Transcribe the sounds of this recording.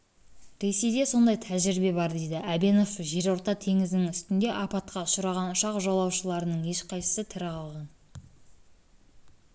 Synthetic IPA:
ɾe̞se̞jd̪e̞so̞nd̪ɑjt̪ʰæʒɪɾbe̞bɑɾd̪e̞jd̪ɪʔæbeno̞fʒe̞ɾo̞ɾt̪ɑt̪ʰe̞ŋɪzd̪ɪŋʏst̪ɪnd̪e̞ʔɑpɑt̪qɑʊʃəɾɑʁɑnʊʃɑqʒɑlˠɑwʃəlˠɑɾənəɴje̞ʃqʰɑjsə̥sət̪ʰɪɾɪqʰɑlˠʁɑn

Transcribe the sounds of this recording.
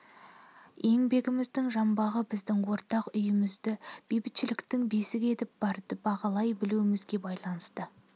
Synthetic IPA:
je̞ŋbe̞ɡʲɪmɪzd̪ɪŋʒɑmbɑʁəbɪzd̪ɪŋwo̞ɾt̪ɑqʏjɪmɪzd̪ɪb̥ejbɪt̪ʃɪlɪkt̪ɪŋbe̞sɪɡʲe̞t̪ɪp̚bɑɾd̪əbɑʁɑlˠɑjbɪluɪmɪzɡʲe̞bɑjlˠɑnəst̪ə

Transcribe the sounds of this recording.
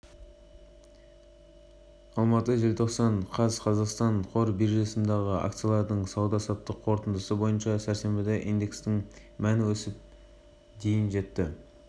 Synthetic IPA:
ɑlˠmɑt̪əʒelt̪ʰo̞qsɑɴqʰɑzqʰɑzɑqst̪ɑɴqʰo̞ɾbiɾʒesənd̪ɑʁəɑ̰k̚t̪sijɑlˠɑɾd̪əɴsɑwd̪ɑsɑt̪ːəqʰo̞ɾt̪ənd̪əsəbo̞jənʃɑsæɾse̞mbɪd̪eʔind̪e̞kst̪ɪŋ | mænɪwɵsɪp̚ | d̪e̞jɪnʒe̞t̪ːɪ

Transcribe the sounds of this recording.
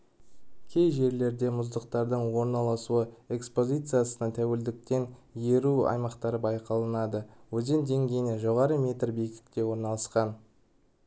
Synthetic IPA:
kʲʰe̞jʒe̞ɾle̞ɾd̪e̞mʊzd̪əqt̪ɑɾd̪əɴwo̞ɾnɑlˠɑsuəe̞kspo̞zʲit̪sɨjasənət̪ʰæwe̞ld̪ɪk̚t̪e̞nje̞ɾuɑ̰jmɑqt̪ɑɾəbɑjqɑlˠɑnɑd̪əwɵze̞nd̪e̞ŋɡʲe̞jnɪʒo̞ʁɑɾəmʲe̞t̪rbekʲɪ̥t̪kʲe̞wo̞ɾnɑlˠɑsqɑn

